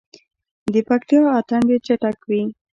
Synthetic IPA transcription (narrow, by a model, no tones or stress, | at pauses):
d̪əpak̚t̪ijɑːt̪aɳbet͡ʃaʈakwi